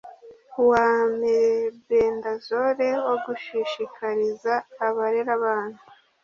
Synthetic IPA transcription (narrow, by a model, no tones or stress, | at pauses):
waːmiɾebeːndazoɾe̞wo̞ɡuʃiʃikaɾizaːβaɾeɾaβaːn̥hu